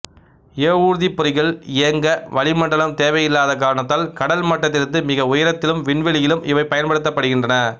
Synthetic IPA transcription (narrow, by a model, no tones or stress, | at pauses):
eːuːɾðipːʊɾɪɣɐɭɪjɐŋɡɐʋɐɭɪmɐɳɖɐɭɐmt̪eːʋɐjɪlːaːðɐk̬aːɾɐɳɐt̪ːaːlkɐɽɐlmɐʈːɐt̪̬ːɪɾɯnd̪ɯmɪɣɐʊjɐɾɐt̪ːɪlɯmʋɪɳʋɪɭɪjɪlɯmɪʋɐɪpːɐjɐnpɐɽɯt̪ːɐpːɐɽɯɣɪndrɐnɐ